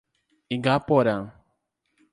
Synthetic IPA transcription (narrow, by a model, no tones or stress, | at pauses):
iɡapɔɾa